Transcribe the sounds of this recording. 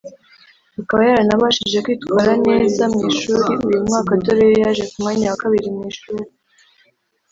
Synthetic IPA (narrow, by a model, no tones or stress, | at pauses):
akaβajaɾanaβaʃiʒe̞kwiːtkwaːɾane̞zamŋiːʃuːɾiujumŋaːkatoɾejejaʒe̞kumaɲawakaβiɾimŋiːʃuːɾi